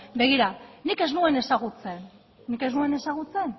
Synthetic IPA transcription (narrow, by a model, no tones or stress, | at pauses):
be̞ɣ̞iɾanike̞znue̞ne̞saɣut͡se̞nː | ike̞znue̞ne̞saɣ̞ut͡se̞n